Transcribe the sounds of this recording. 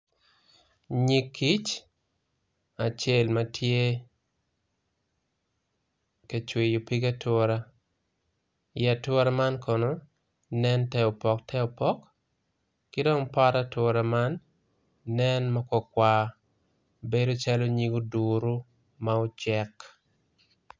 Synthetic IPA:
ɲi˦kːi˦t͡ʃ | a˨t͡ʃe˦lma˨tʰje˦ | ke˨t͡ʃwi˨jo˨pi˦ɡa˦tɔ˦ɾa˦ | ja˨twɔ˦ɾa˦ma˦nkʰo˨noː˨ | ɛ˦ntɛ˦ɔ˨pɔ˨k̚tʰɛ˦ɔ˨pɔ˦kː | ɪ˦dɔ˦ŋpaɾatwɔ˦ɾa˦ma˦nː | ɛnmakɔ˨kwa˨ | be˦do˦t͡ʃa˦lo˦ɲi˦ɡo˦du˨ɾo˦ | maot͡ʃɛ˦k

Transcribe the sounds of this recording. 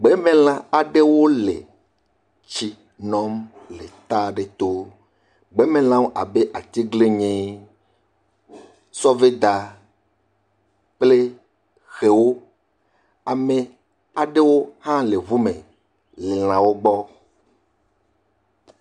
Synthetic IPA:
ɡ͡be˦mẽ˦l̃ã˨a˨ɖe˦wo˦lḛ˨ | t͡ɕi˨ | nɔ̃˦mle˨t̪a˦ɖe˨t̪o˦ | ɡ͡be˦mẽ˦l̃ã˦wo˦ʔa˨be˦ʔa˨t̪i˦ɡle˦ɲẽ˦ | sɔ˦ve˦d̪a˨ | k͡ple˦ | xe˨wo˦ | a˨mẽ˨ | a˨ɖe˦wo˦hã˦le˨βu˦mẽ˨ | le˨l̃ã˨wo˦ɡ͡bɔ˦

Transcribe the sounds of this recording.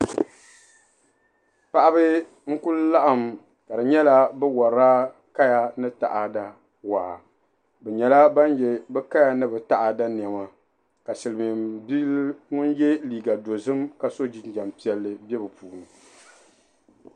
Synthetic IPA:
pa˨ʔa˦bɨ˦ | ŋ̩˦kʊ˦lla˦ʔa˨m | ka˨dɨ˨ɲɛ˦la˦bɛ˦wɔ˨ɾaː˦ | ka˦ja˦nɨ˦ta̰˨ʔa˨da˦ | waː˨ | bɛ˨ɲɛ˨la˦ba˦njɛ˨bɛ˦ka˦ja˨nɨ˦bɨ˨ta˨ʔa˨da˦ni˨ɛ˨ma˨ | ka˨sɨ˨lɨ˨mi˨bi˦ŋʊ˦njɛ˦liː˨ɡa˨do˨zɨ˦mka˨so˦d͡ʒi˦nd͡ʒa˨mpi˦ɛ˨lːɨ˨bɛ˦bɨ˨puː˨nɨ˨

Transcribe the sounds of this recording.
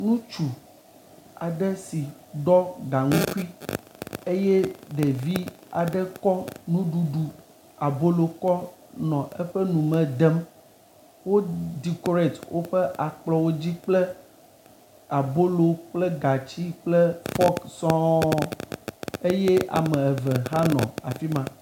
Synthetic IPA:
nũ˦t͡ʃu˨ | a˨ɖɛ˦si˨ɖɔ˦ɡa˨ŋũ˦ku˦i˦ | e˦je˦ɖe˨vi˦a̰˨ɖɛ˦kɔ˦nũ˦ɖu˨ɖu˨ | a˨bo˦lo˨kɔ˦nɔ̃˨ʔɛ˦ɸɛ˦nũ˨mɛ̃˨d̪ɛ˦m | wo˦d̪i˨ko˦ɾe˨t̪wo̰˦ɸɛ˦ʔa˨k͡plɔ˨wo˦d͡ʑi˦k͡plɛ˦ | a˨bo˦lo˨k͡plɛ˦ɡa˨t͡ɕi˦k͡plɛ˦fɔ˦ksɔ̃˦ | e˦je˦a̰˨mɛ̃˨ɛ˨vɛ˨ɦa˦nɔ̰̃˨a̰˨fi˦mã˨

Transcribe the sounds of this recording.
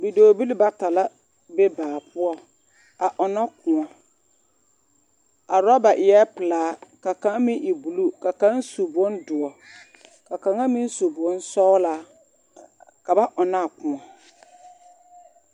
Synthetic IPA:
bi˨doː˨bi˦li˦ba˨ta˨la˦ | be˦baː˨pʰʊ˦ɔ˦ | a˨ʔɔ˨na˦kʊ̃˨ɔ˨ | a˨ɾɔ˦ba˨ʔɪ˨jɛ˦pɨ˨laː˨˦ka˨kã˨˦ŋ˦mĩ˦ʔi˨bu˨lu˦ka˨kã˦nsu˨bɔ˦ndʊ˨ɔ˨ | ka˨ka˨ŋa˦mĩ˦n˦su˨bʊ˨ɔ˦n˦sɔ˦la˨˦ | ka˨ba˦ʔɔ˨na˦˨kʊ̃˨ɔ˨

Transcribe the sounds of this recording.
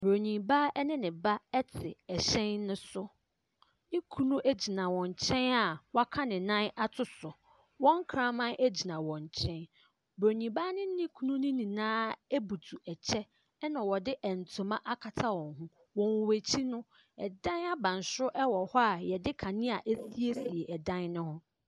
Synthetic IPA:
bɾo˨ɲĩ˨ba˦ɛ˦nɪ̃˦nɪ̃˨ba˦ɛ˦tʰɪ˨ɛ˨ɕɛ̃˦nːʊ̃˦sʊ˦ | nɪ̃˦kʰu˦nũ˦ʔæ˦d͡ʑi˨nã˨wɔ̃˨ɲ˨t͡ɕʰɛ̃˦na˨wa˦kʰa˦nɪ̃˨nã˦na˦tʰʊ˦sʊ˨ | wɔ̃˦ŋ˦kʰɾã˦mã˦nʔe˦d͡ʑi˨nã˨wɔ̃˨ɲ˨t͡ɕʰɛ̃˦n | bɾo˨ɲĩ˨ba˦nɪ̃˦nɪ̃˦kʰu˦nũ˦nɪ̃˦nĩ˨nãː˦e˦bu˨tʰu˨ɛ˨t͡ɕʰɛ˦ | nã˨wɔ˨dɪ˦ʔɛ˨n̩˨tʰʊ̃˨mã˦ʔa˦kʰa˨tʰa˦wɔ̃˨ŋɦũ˦ | wɔ̃˨wwæ˨t͡ɕʰi˦nʊ̃˦ | ɛ˨dã˦na˦bã˨n˨sʊ˦ʔɛ˦wɔ˨hɔ˦a˨jɛ˨dɪ˦kʰã˨nɪ̃˦a˨ʔe˦si˦e˦si˨e˨ʔɛ˨dã˦nnʊ̃˦hʊ̃˦

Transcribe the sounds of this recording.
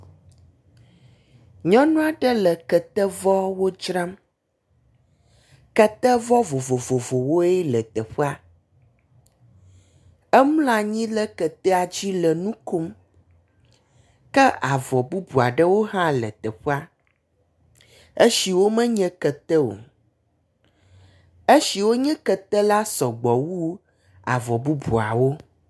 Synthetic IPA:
ɲɔ̃˦nũ˦a˨ɖə˦lə˨kə˨t̪ə˦vɔ˦wo˦d͡ʒɾã˦m | kə˦t̪ə˦vɔ˦vo˨vo˨vo˨vo˨wo˦ɛ˦lə˨t̪ə˨ɸə˦a˦ | ɛ˦mũ˦la˨ɲĩ˦lə˦kə˨t̪ɛ˦a˨d͡ʑi˦lə˨nũ˦ko˦m | kɛ˦a˨vɔ˨bu˦bu˨a˨ɖə˦wo˦ɦã˦lə̰˨t̪ɛ˨ɸə˦a˦ | e˦ʃi˨wo˦mɛ̃˦ɲɛ̃˦kɛ˨t̪ɛ˦wo̰˨ | e˦ʃi˨wo˦ɲɛ̃˦kə˨t̪ɛ˦la˦sɔ˨ɡ͡bɔ˨wu˦ | a̰˨vɔ˨bu˦bu˨a̰˨wo˦

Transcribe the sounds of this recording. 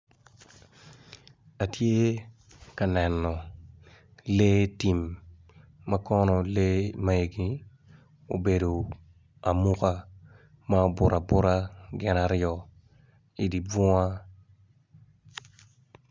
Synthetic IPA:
a˨tje˦ | ka˨nɛ˨nːɔ˨ | le˦ti˨mː | a˦kɔ˦nɔ˨le˦ma˦e˨ɡi˨ | o̰˨be˨do˨ | a˨mu˦ka˦ | ma˦o˦bʊ˨ɾʔa˨bʊ˦ɾa˦ɡɪ˨naɾjɔ˨ | i˨di˨b͡vɔ˦a˦

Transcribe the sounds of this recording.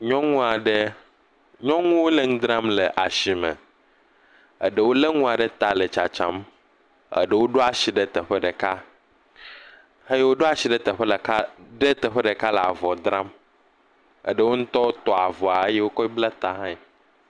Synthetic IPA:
ɲɔ̃˦ŋũ˦a˨ɖe˦ | ɲɔ̃˦ŋũ˦wo˦le˦ŋũ˦d̪ɾã˦mle˨ʔa˨ʃi˨mə̰˨ | ə̰˨ɖe˦˨wo˦le˦ŋũ˦a˨ɖe˦t̪a˨le˨t͡ʃa˨t͡ʃa̰˦m | ə̰˨ɖə˦wo˦ɖo˦a˨ɕi˨ɖe˦t̪ə˨ɸə˦ɖe˨ka˦ | he˦je˦wo˦ɖo˦a˨ɕi˨ɖe˦t̪ə˨ɸə˦lə˨ka˦ɖe˦t̪ə˨ɸe˦ɖe˨ka˦le˨a̰˨vɔ˨d̪ɾã˦m | ə̰˨ɖe˦wo˦ŋũ˦t̪ɔ˦wo˦t̪ɔ˨a˨vɔ˨a˨e˦je˦wo˦kɔ˦i˦bla˦t̪a˨ɦã˦e˨

